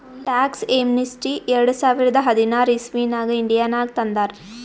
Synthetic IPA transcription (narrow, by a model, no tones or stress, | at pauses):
ʈaːkseːmnisʈiʔeɾɐɽusaːʋiɾɐd̪ɐɦɐd̪inaːɾismiːnaːɡɐiɳɖijaːnaːɡ̚t̪ɐnd̪aːɾ